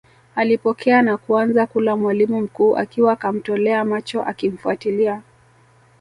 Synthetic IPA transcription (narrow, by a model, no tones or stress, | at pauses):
alipɔkʰɛanakuanzakulamwalimum̩kuːʔa̰kiwakam̩tɔlɛamat͡ʃɔʔakim̩fuatilia